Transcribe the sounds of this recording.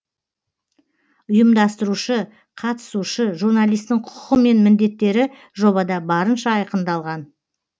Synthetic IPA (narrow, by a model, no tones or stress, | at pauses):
ʊjəmd̪ɑst̪əɾuʃə | qʰɑt̪ə̥suʃəʒuɾnalˠijst̪ɪŋqʰʊ̥qəme̞nmɪnd̪e̞t̪ːe̞ɾɪ | ʒo̞βɑd̪ɑbɑɾənʃɑɑjqənd̪ɑlˠʁɑn